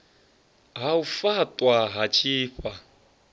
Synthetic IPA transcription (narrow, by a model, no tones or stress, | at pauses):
ɦaufatʼwaɦat͡ʃʰʼiːɸa